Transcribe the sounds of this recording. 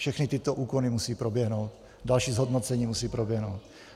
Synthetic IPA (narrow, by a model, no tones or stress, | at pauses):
fʃɛxnɪt̪ɪt̪oʔuːkonimusiːpɾobjɛɦnowt̪ | dalʃiːzɦo̞dnot͡sɛɲiːmusiːpɾobjɛɦnowt̪